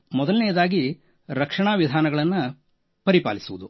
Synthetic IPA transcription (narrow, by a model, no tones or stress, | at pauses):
mɔd̪ɐlnɛjɐd̪aːɡi | ɾɐkʂɐɳaːʋid̪ʱaːnɐɡɐɭɐnːu | pɐɾipa̰ːlisuʋud̪u